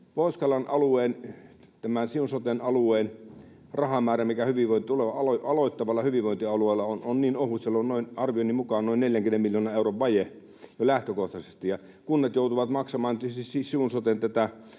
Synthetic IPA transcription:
poˑiskɑlɑnʔɑlueːn | t̪æmænsiunsot̪enɑlueːn | rɑhɑmæːræmikæhyʋiʋʋoint̪ioleʋɑɑloɑloit̪ːɑʋɑlːˑɑhyʋiʋʋoint̪iɑlueˑːlːˑɑononniːnohusselːonnoinɑrʋionimukɑːnoˑinneljæŋkymemmiljoːnɑeˑuroʋʋɑje | jolæht̪økoht̪ɑsest̪ijɑ | kunːɑt̪joˑut̪uʋɑt̪mɑksɑmɑːnt̪sisisiunsot̪ent̪æt̪æ

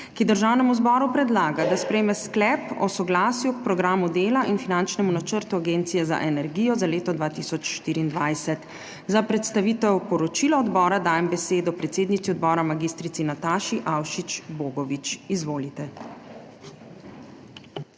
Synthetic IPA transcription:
kid̪əɾʒawnɛmuzbɔːɾupɾɛd̪laːɡad̪aspɾɛjmɛsklɛpɔsɔɡlaːsjuk̚pɾɔɡɾaːmud̪eːlaʔinfinant͡ʃnɛmunat͡ʃəɾt̪uaɡeːnt̪sijɛza̰ʔɛnɛɾɡiːjɔzaleːt̪ɔd̪ʋaːt̪isɔt͡ʃʃt̪iːɾiːnd̪ʋajsɛt̪ | zapɾɛt̪st̪aʋiːt̪ɛwpɔɾɔt͡ʃilɔɔd̪bɔːɾad̪aːjɛmbɛseːd̪ɔpɾɛt̪seːd̪nit̪siɔd̪bɔːɾamaɡist̪ɾit̪sinat̪aːʃiʔawʃit͡ʃboːɡɔʋit͡ʃizʋoːlit̪ɛ

